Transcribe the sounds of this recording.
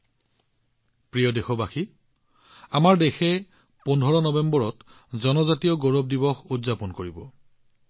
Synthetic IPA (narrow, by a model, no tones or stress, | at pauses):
pɹijɔdexɔbaxi | amaɹdexɛ | pɔndʱɔɹɔnɔbɛmbɔɹɔt | zɔnɔzatijɔɡoɹɔb̚dibɔxudzapɔnkoɹibɔ̰